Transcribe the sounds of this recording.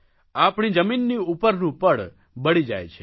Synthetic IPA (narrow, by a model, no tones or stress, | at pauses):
apɳ̃id͡ʒəminːiupəɾnũpəɽ | bəɽ̃id͡ʒa̰jt͡ʃʰe